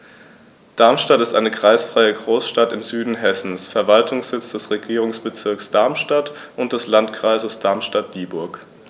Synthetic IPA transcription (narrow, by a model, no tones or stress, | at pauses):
d̥aɐmʃtatɪstʔaɪnəkʁ̥aɪsfʁ̥aɪəɡʁoːsʃtatɪmzyːdn̩ɦɛsn̩sfɛɐvaltʰʊŋsz̥ɪt͡sd̥ɛsʁeɡiːʁ̞ʊŋsb̥ət͡sɪɐksd̥aɐmʃtat | ʔʊnt̚d̥ɛslantkʁ̥aɪzəsd̥aɐmʃtat̚d̥iːbʊɐk